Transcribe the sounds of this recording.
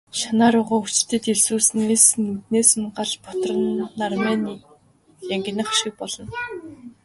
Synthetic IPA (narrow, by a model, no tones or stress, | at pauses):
ʃanaːɾʊːʁaːut͡ɕ̆t̪ɘ̆t̪eɮsuːsɘ̆nesɘ̆nut̪neːsɘ̆ŋɢat͡ɕpɔt̪rə̆nːarmaːni | jæŋɡʲɪ̆nə̆χaʃɪ̆k̚pɔɮɞ̆n